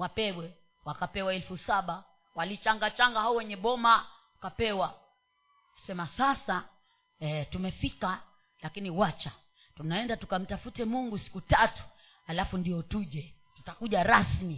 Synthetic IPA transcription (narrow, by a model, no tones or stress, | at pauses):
wapɛɡwɛ | wakapɛwaɛlfusaɓa | walit͡ʃaŋɡat͡ʃaŋɡahaɔwɛɲɛɓɔma | kapɛwa | sɛmasasa | ɛtumɛfika | lakiniwat͡ʃa | tunaɛndatukam̩tafutɛmuŋɡusi̥kutatu̥ | halafundiɔtuʄɛ | tu̥takuʄaɾasmi